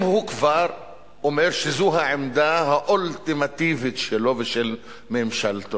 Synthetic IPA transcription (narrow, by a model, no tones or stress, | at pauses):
mhukvaʁ | omeʁʃezuɦaʕemd̪aɦaʔolt̪imat̪ivit̪ʃelo̞veʃel | meːmʃalt̪o